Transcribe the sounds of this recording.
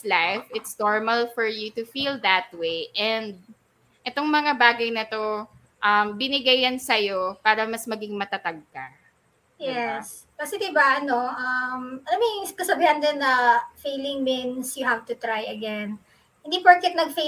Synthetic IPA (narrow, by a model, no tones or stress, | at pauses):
lajfɪt̪snɔɹmɐlfɔɹjut̪ʊfild̪ɐt̪̚wejʔɛnd̪̚ | ʔɛt̪oŋmɐŋabaːɡɐjnɐt̪o̞ | ʔɐmbɪnɪɡajɐnsɐjo̞paːɾɐmɐsmɐɡɪŋmɐt̪ɐt̪aɡ̚kɐ | jɛs | kɐsɛd̪ɪbaɐnoʔɐmamiskɐsɐbiːhɐnd̪ɛnːɐfejlɪ̃ŋmɪnsjʊɦavt̪ʊt̪ɾajɐɡɛn | hɪ̃nd̪ipɐɹkɛt̪̚nɐɡfe